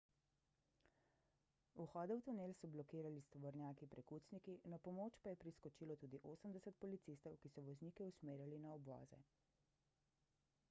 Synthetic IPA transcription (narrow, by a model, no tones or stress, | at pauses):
uxɔːd̪ɛwt̪uneːlsɔblɔkiːɾalist̪ɔʋɔɾnjaːkipɾɛkuːt̪snikinapɔmoːt͡ʃpajɛpɾiskɔt͡ʃiːlɔt̪uːd̪iʔoːsəmd̪ɛsət̪̚pɔlit̪sist̪ɔwkisɔʋɔzniːkɛusmeːɾjalinaɔbʋɔ̰ːzɛ̰